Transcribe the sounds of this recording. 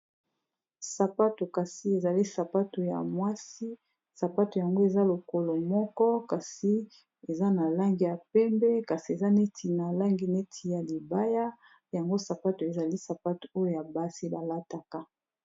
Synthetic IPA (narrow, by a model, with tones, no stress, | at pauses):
sa˨pa˦to˨ka˨si˦e˨za˨li˦sa˨pa˦to˨ja̰˨mwa˦si˦ | sa˨pa˦to˨ja˨ŋɡo˦e˨za˦lo˨ko˨lo˨mɔ˦kɔ˦ka˨si˦ | e˨za˦na˨la˦ŋɡi˨ja˨pɛ˦mbɛ˦ka˨si˨e˨za˦ne˦tʰi˨na˨la˦ŋɡi˨ne˦tʰi˨ja˨li˨ba˦ja˦ | ja˨ŋɡo˦sa˨pa˦to˨e˨za˨li˦sa˨pa˦to̥˨o˦jo˦˨ja˨ba˦si˦ba˨la˦ta˨ka˦